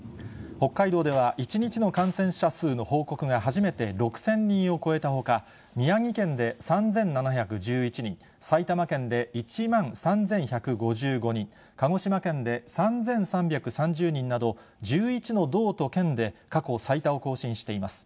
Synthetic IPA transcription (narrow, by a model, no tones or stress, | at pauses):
ho̞kːaid̪o̞ːd̪e̞β̞aʔit͡ɕiɲ̟it͡ɕino̞kãɰ̃sẽ̞ɰ̃ɕasɨːno̞hoːko̞kɯ̟ŋaɦaʑime̞t̪e̞ɾo̞kɯ̟̥sẽ̞ɲ̟ːĩɰ̃o̞ko̞e̞t̪aɦo̞ka | mʲiaŋʲikẽ̞nd̪e̞sãnd͡zẽ̞nnanaçakɯ̟d͡ʑɨːit͡ɕiɲ̟ḭ̃ | sait̪amakẽ̞nd̪e̞it͡ɕimãɰ̃sãnd͡zẽ̞ɰ̃çakɯ̟ɡo̞ʑɨːɡo̞ɲ̟ĩŋ | kaŋo̞ɕimakẽ̞nd̪e̞sãnzẽɰ̃sãmbʲjakɯ̟sãɲ̟d͡ʑɨːɲ̟ĩnːad̪o̞ | d͡ʑɨːit͡ɕino̞d̪o̞ːt̪o̞kẽ̞nd̪e̞kako̞sait̪ao̞ko̞ːɕĩɰ̃ɕi̥t̪e̞imasɨ̥